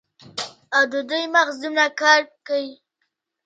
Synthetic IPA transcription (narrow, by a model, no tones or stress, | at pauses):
awd̪əd̪ujmaɣzd̪umnakɑɾkawi